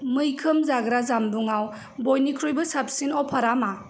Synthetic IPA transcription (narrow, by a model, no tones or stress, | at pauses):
mɯjkʰɯmzaɡɾazambuŋaw | bojnikʰɾojbɯsap̚sinɔwpʰaɾama